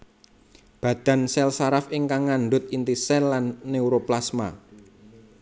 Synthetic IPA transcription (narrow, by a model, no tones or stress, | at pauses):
b̥ä̤d̪̥ä̤nsɛlsaɾafɪŋkaŋːanɖʊt̪̚int̪isɛnlanːeuɾoplasma̰